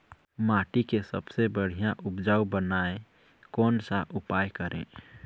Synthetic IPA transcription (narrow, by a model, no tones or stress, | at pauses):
maʈikesəbsebəɽ̤ijãʔupd͡ʒaubənae | kɔnsaʔupajkəɾḛ̃